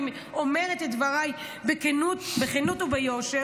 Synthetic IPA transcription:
m | omeʁet̪edvaʁaj | bekenutbeχenutubejoʃe

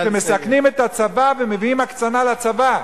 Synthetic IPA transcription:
vemesaknimet̪hat͡savavemeviimhakt͡sanalat͡sava

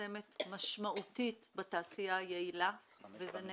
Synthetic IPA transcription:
emetmaʃmaʔutitbataːsijajeila | vezen

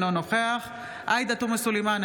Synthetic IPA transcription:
lonoχeaχ | ʔajd̪at̪umesuliman

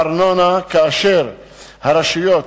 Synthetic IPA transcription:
ɾnɔnakaʃeɾ | haɾaʃujɔt̪

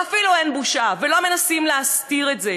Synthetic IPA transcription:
afiluenbuʃavelo̞me̞nasimleast̪iʁetze

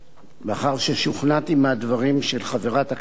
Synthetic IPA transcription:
beaχaʁʃeʃuχnatimeadvaʁimʃelχaveʁathak

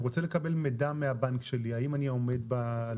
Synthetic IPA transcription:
ʁot͡selekabe̞lmedameabankʃe̞liaimanio̞me̞d̪̚ba

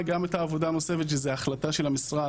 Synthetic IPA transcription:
ɡametaːvod̪anose̞fe̞t̪ʃezeaχlataʃelhamisʁa

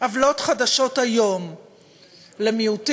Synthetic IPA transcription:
avlo̞tχadaʃo̞thajo̞m | lemiut

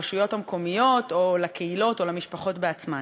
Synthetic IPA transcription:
ʃujo̞tamko̞mijo̞to̞lakʰeilo̞to̞lamiʃpaχo̞tbeat͡sma

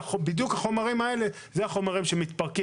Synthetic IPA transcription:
obid̪jukhaχo̞maʁimae̞le̞ | zeaχo̞maʁimʃe̞mit̪paʁki

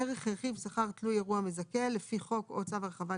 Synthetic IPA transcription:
eʁeχeʁχivsaχaʁt̪lujeʁuamezake̞lːe̞fiχo̞kot͡saveʁeχava

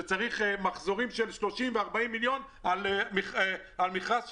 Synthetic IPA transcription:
et͡saʁiχemaχzo̞ʁimʃelʃlo̞ʃimveaʁbaimːiljo̞n | almiχealmiχas

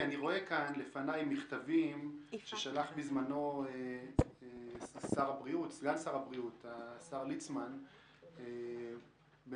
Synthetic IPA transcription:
aniʁo̞e̞kanlefanajmiχt̪avimʃeʃalaχbizmano̞eesaʁabʁiut̪sɡansaʁabʁiut̪asaʁlit͡sman | e | b

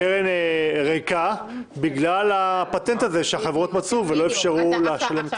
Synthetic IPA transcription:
eʁeneʁeka | biɡlalapat̪ent̪aze̞ʃeaχevʁo̞t̪mat͡suvelo̞efʃaʁuleaʃale̞mt

